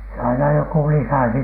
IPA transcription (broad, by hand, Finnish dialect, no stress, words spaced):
se ɑinɑ joku lisæsi